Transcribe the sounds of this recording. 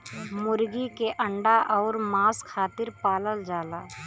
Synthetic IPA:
mʊɾɡikeʔɐ̃ɳɖaʔɔːɾmaːskʰaːt̪ɪɾpaːləld͡ʒaːlaː

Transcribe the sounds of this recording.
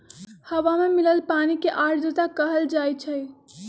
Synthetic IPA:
həʋamemiləlpaːnikeʔaːʈd͡ʒət̪akəɦəld͡ʒaːjt͡ʃʰə

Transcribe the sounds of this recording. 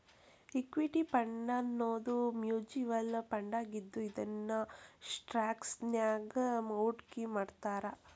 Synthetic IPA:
ikʋiʈipɐɳɖɐnːoːd̪umjuːd͡ʒiʋɐlpɐɳɖaːɡid̪ːuid̪ɐnːɐsʈɾaːksnjaːɡɐmɐwʈkimaːɖt̪aːɾɐ

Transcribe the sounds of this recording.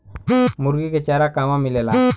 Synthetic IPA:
mʊɾɡiket͡ʃaːɾakaːmãmɪlela

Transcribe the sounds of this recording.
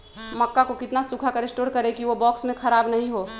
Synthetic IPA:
mɐkːakokɪt̪nasukʰakəɾɪsʈoːɾkɐɾekiʋobɔːksmẽkʰɐɾaːbnɐɦĩɦoː

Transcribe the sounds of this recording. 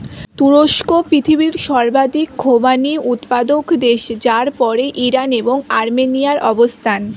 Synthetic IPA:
t̪uɾoʃkopɾit̪ʰibiɾʃɔɾbad̪ikɡʰʱobaniʔut̪pad̪okd̪eʃd͡ʑaɾpɔɾeʔiɾaneboŋaɾmenijaɾʔɔbost̪ʰan

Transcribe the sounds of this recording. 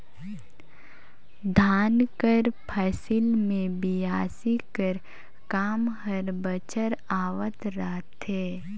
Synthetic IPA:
d̪ʱaːnkəɾpʰəsɪlmẽbijaːsikəɾ | kaːmhəɾbət͡ʃəɾaːʋət̪ɾaɦt̪ɦɛː

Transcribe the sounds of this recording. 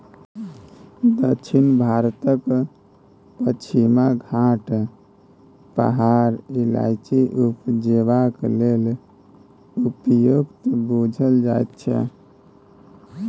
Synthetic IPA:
d̪ət͡ʃʰinbʱaɾt̪ək | pət͡ʃʰimaɡʱaʈ | pə̰ɦaɾila̰jt͡ʃiʔupd͡ʒeβaklel | upjuɡt̪bud͡ʒʱəld͡ʒajt̪t͡ʃʰɛ̰

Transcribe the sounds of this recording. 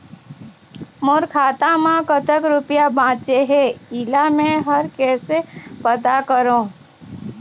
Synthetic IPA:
moɾkʰaːt̪ãmãkət̪əkɾʊpijabãːt͡ʃeɦeiːlamẽɦəɾkɛːsepət̪akəɾõː

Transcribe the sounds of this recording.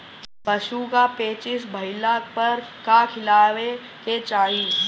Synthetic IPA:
bɐʃukapeːt͡ʃɪsbʱɐɪlapɐɾkakʰɪlaːʋe | ket͡ʃaːɦiː

